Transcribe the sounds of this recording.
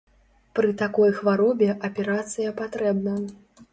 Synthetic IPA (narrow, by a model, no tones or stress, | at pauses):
pɾɨt̪akɔjxvaɾɔbʲɛʔɐpʲɛɾat̪sɨjɐpat̪ɾɛbnɐ